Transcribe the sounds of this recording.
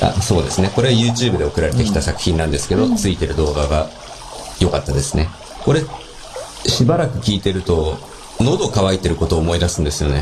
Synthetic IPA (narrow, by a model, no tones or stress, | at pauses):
a̰so̞ːd̪e̞sɨne̞ko̞ɾe̞ajɯ̟ːt͡ɕɨːbɯ̟d̪e̞o̞kɯɾaɾe̞t̪e̞kʲi̥t̪asakɯ̟̥çĩnːãnd̪e̞sɨ̥ke̞d̪o̞t͡sɨit̪e̞ɾɯ̟d̪o̞ːɡaɡa | jo̞kat̪ːad̪e̞sɨne̞ | ko̞ɾe̞ | ɕibaɾakɯ̟kʲiːt̪e̞ɾɯ̟t̪o̞ | no̞d̪o̞kaβ̞ait̪ːe̞ɾɯ̟ko̞t̪o̞ːmo̞id̪asɨ̃nd̪e̞sɨjo̞ne̞